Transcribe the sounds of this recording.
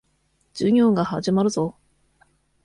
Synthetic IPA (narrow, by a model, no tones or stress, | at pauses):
d͡ʑ̥ɨɲʲoːŋɡahad͡ʑimaɾɯ̟zo